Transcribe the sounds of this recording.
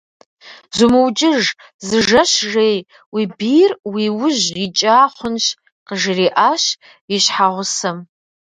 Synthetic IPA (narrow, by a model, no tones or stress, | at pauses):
zumɨwt͡ʃʼɪʒ | zɨʒɐʃʒej | wibirwiwʊʒrit͡ʃʼaːχʷʊnʃ | qəʒriʔaːʃ | iʃħaʁʷʊsɐm